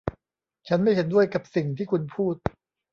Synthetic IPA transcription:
t͡ɕʰa˦˥nma˥˩jɦe˩˦ndu˥˩əjka˨˩p̚si˨˩ŋt̪ʰiː˥˩kʰu˧npʰuː˥˩t̪̚

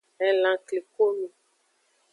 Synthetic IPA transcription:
ɛ˨lã˨kle˨ko˦mũ˦

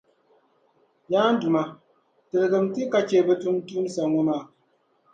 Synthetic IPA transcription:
jaː˦n˦du˨ma˨ | tɨ˨ɾɨ˨ɡɨ˨m̩ti˦ka˨t͡ʃeː˨bɛ˦tu˦n˦tuː˦n˦sa˨ŋɔ˦maː˦˨

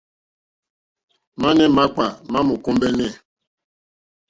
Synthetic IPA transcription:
ma˦nɛ˦ma˦k͡pa˨ma˦mu˨ku˦mbɛ˦nɛ˦˨

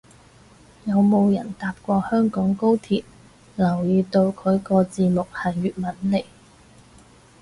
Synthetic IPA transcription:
jɐ˨˧wmo˨˧wjɐ̰˨˩nt̪aː˨p̚kʷɔː˧hœː˥ŋkɔː˨˥ŋko˥wt̪ʰiː˨t̚ | lɐ˨˩wjiː˨˧t̪o˧wkʰɵ˨˧ɥkɔː˧t͡siː˧mʊ˨k̚hɐ˨˩jːyː˨t̚mɐ˨˥nle˨˩j

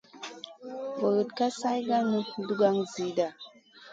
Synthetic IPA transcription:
wə˨ɣə˨tka˦sa˦jɡa˦nu˦n˦du˦ɡa˦ŋzi˨˦da˨

